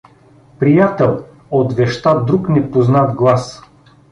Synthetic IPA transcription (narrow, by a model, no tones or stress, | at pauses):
pɾijat̪ɛlˠ | ot̪vɛʃt̪ad̪ɾuknɛpoznad̪ɡlˠas